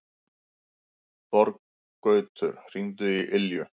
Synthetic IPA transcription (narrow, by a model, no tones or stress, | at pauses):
pɔɾk | kːœːɥt̪ʰʏɾ̥r̥int̪ʏiʔɪljʏ